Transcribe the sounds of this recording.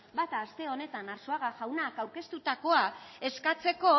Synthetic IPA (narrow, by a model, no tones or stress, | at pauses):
bat̪aːst̪e̞o̞ne̞t̪anaɾsoaɣaʝawnakawɾke̞st̪ut̪ako̞ae̞skat͡se̞ko̞